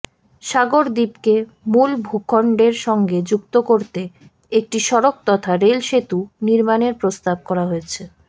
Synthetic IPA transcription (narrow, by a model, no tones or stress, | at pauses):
ʃaɡoɾd̪ipke | mulbʱukʰɔɳɖeɾʃɔŋɡed͡ʑukt̪okoɾt̪e | ek̚ʈiʃɔɾok̚t̪ɔt̪ʰaɾelʃet̪uniɾmaneɾpɾost̪ab̚kɔɾaɦojet͡ɕʰe